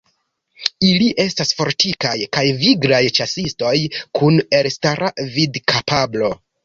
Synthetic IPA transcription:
iliʔe̞stasfo̞ɾtikajkajviɡɾajt͡ʃasisto̞jkʰune̞lstaɾavidkʰapablo̞

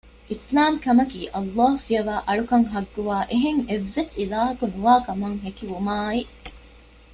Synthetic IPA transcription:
ʔislaːmkɐmɐkiːʔɐlːaːhufiɐʋaːʔɐɭukɐŋɦɐɡːuʋaːʔeɦeŋeʋːesilaːɦɐkunuʋaːkɐmɐŋɦekiʋumaːi

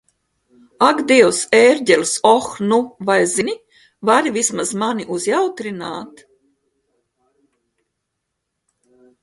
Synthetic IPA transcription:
aɡd̪iɛwseɾʲɟʲɛlʲsɔxnuvajzini | vaɾivʲismazmaniʔuzjawt̪ɾina̰ːt̪

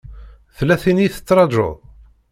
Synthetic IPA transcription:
θlːæθiniθə̥t͡sːɾˤɑʒo̰ð

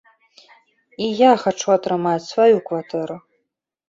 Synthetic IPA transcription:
ijaxat͡ʂuat̪ɾɨmat͡sʲsvajukvat̪ʰɨɾu

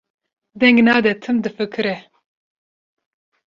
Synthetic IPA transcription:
d̪ɛŋɡnaːd̪ɛt̪ʰɨmd̪ɨfɨkʰɨɾɛ

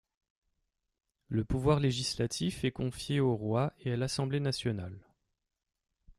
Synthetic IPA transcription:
ləpuvwaʁleʒislat̪ʰifɛkɔ̃fjeoʁwaealasɑ̃blenasjɔnal

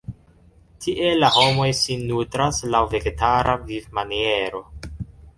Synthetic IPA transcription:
tʰiʔe̞laho̞mojsinːutɾaslawve̞ɡetaɾʔavivmanie̞ɾo̞

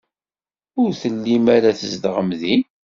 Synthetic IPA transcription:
ʊɾθəlːimæɾæθəzd̪ʁəmði

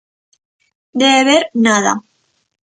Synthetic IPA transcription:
d̪eβeɾnaða̰

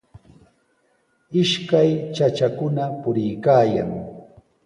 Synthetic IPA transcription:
ɪʃkajt͡ʃat͡ʃakʊnapʊɾɪjkaːja̰ŋ

